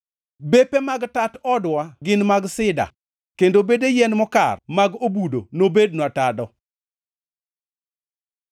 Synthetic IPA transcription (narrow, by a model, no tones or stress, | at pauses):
bepemaɡtatɔdwaɡɪnmaɡsɪda̰ | kendobedejɛnmɔka̰rmaɡobudo̰nobednwatadɔ